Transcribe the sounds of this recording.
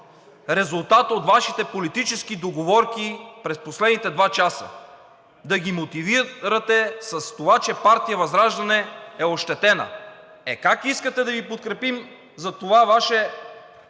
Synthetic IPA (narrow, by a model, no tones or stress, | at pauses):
ɾɛzulˠt̪at̪ot̪vaʃit̪ɛpolit̪it͡ʃɛskid̪oɡovɔɾkipɾɛsposlɛd̪nit̪ɛd̪vat͡ʃasə̰ | d̪ɐɡʲimot̪iviɾɐt̪ɛsɐst̪ovat͡ʃɛpaɾt̪ijɐvɐzɾaʒd̪ɐnɛɛoʃt̪ɛt̪ɛnə̰ | ɛkakiskət̪ɛd̪ɐvipot̪̚kɾɛpim | zɐt̪ovavaʃɛ